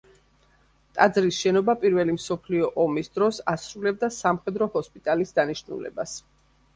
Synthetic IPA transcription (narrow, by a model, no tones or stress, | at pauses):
t̪ʼad̪zɾisʃɛnɔbapʼiɾvɛlimsɔpʰliɔʔɔmisd̪ɾɔsasɾulɛbd̪asamχɛd̪ɾɔhɔspʼit̪ʼalisd̪aniʃnṵlɛ̰bas